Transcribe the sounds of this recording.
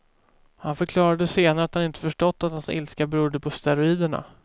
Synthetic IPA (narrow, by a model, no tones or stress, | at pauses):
hanfœɾkʰlɑːɾad̪əseːnaɾəat̪hanɪnt̪ə̥fœʂʈɔt̪ːat̪hansɪ̰lskabɾuːd̪əpʰɔst̪ɛɾʊiːd̪əɳa̰